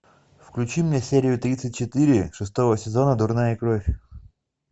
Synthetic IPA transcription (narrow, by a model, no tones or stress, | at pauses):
fklʲʉt͡ɕimnʲefsʲeɾʲɪjʊt̪ɾʲit̪sɨtʲt͡ɕɪt̪ɨɾʲɪʂɨst̪o̞vəsʲɪzo̞nəd̪ʊrnajəkɾofʲ